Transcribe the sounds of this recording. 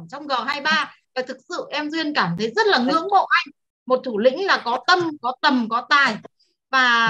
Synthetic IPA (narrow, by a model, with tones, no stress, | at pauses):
t͡ɕɔ˧wŋ͡mɣɔ˨˩ɦaː˧jɓaː˧vaː˨˩t̪ʰɨ˨˩k̚sɨ̰˧˨ʔɛ˧mzwi˧ənkaː˧˩mt̪ʰə˨˦jzə˦˥t̚laː˨˩ŋɨ̰˧˥əŋmo̰˧˨ʔa˧jŋ̟ | mo˨˩t̚t̪ʰu˧˩lḭ̈˧˥ŋ̟laː˨˩kɔ˨˦t̪ə˧mkɔ˨˦t̪ə˨˩mkɔ˨˦t̪aː˨˩j | vaː˨˩